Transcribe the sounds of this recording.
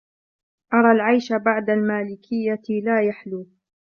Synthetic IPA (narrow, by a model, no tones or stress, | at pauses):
ʔɑɾˤɑːlʕajʃabaʕd̪almaːlɪkʰɪjːalaːjaħluː